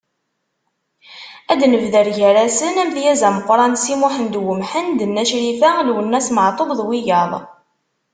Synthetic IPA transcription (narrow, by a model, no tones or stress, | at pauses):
æd̪nəvðəɾʝæɾæsənæmθjæzæməqʷːɾˤɑnsimuħənd̪wəmħənd̪ənːæʃɾifælwənːæsməʕt̪ˤobðˤwijɑðˤ